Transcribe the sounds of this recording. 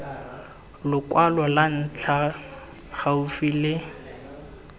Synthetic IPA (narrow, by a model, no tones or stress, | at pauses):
lʊkʼwalwalan̩t͡ɬʰa | χaufilɪ